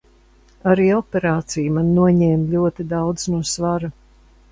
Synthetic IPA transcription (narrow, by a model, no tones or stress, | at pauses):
aɾiːɔpʲeɾaːt̪sijmanːuɔɲɛːmʎuɔt̪id̪awd̪znuɔsvaɾa